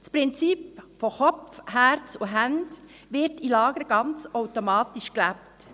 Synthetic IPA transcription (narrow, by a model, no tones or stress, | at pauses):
spʁɪnt͡sipfoxɔpfhæɾt͡suɦænd | ʋɪɾtilɑːɡəɾɡ̥ɑnt͡sɔʊtomɑːtiʃklæp̚t